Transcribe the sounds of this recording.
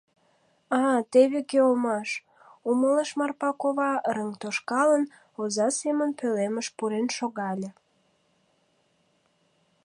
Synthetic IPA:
ɑt̪eβekeomɑʃ | umələʃmɑrpɑkoβɑɾəŋt̪oʃkɑlən | ozɑsemənpeleməʃpuɾenʃoɣɑlʲə̆

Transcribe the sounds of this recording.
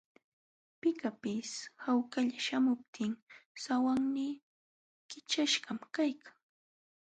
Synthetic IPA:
pɪkapɪshawkaʎaʃamʊp̚t̪ʰɪŋsawaŋni | kɪt͡ʃaʃɢɑmkajkʰḁŋ

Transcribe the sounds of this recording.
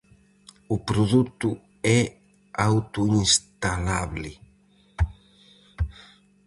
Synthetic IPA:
upɾoðut̪u | ɛ | awt̪uiŋst̪alaβlɪ

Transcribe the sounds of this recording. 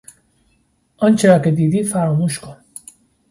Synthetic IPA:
ɔnt͡ʃeɾaked̪id̪ifaɾomuʃko

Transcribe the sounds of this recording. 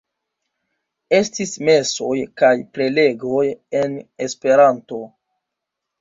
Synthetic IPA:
e̞stisme̞so̞jkajpɾe̞le̞ɡo̞je̞ne̞spe̞ɾanto̞

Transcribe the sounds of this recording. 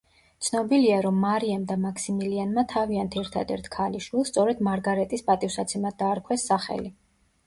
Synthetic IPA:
t̪sʰnɔbiliaɾɔmːaɾiamd̪amakʰsimilianmat̪ʰaviant̪ʰɛɾt̪ʰa̰d̪ɛ̰ɾt̪ʰkʰaliʃwilˠst̪sʼɔɾɛd̪maɾɡaɾɛt̪ʼispʼat̪ʼifsat̪sʰɛmad̪̚d̪aːɾkʰwɛsːaχɛ̰li

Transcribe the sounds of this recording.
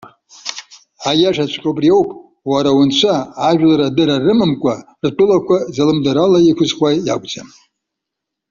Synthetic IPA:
ajaʂat͡ʃʷʰqʲʼobriewpʼ | waɾawʊnt͡ʃʷʰaːʒᶣlaɾadɨɾarɨmɨmkʷʼa | rtʼʊlakʷʰazalɨmdaɾalajikʷʰʊzχʷajja̰kʷʼd͡za̰m

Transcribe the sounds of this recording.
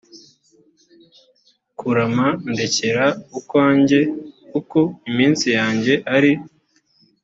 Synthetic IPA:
kuɾamande̞ce̞ɾaukwaːɲɟe̞kuko̞imiːnsijaːɲɟe̞ʔaɾi

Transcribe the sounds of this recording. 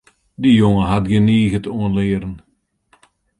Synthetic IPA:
dijoŋəɦatɡəniːɣətoənlɪːɾən

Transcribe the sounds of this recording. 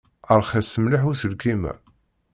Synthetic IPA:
əɾˤχæsːəmliħusəlkimæ̰

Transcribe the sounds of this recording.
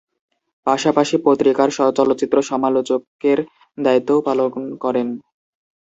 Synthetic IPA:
paʃapaʃipot̪ːɾikaɾʃɔt͡ɕɔlot̪ːɕit̪ːɾoʃɔmalot͡ɕokeɾ | d̪ait̪ːoopalonkɔɾen

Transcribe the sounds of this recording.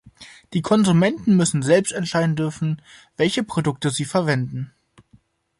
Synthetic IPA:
d̥iːkʰɔnzumɛntn̩mʏsn̩zɛlpstɛntʃaɪdn̩dʏɐfn̩vɛlçəpʁ̥odʊk̚təziːfɛɐvɛndn̩

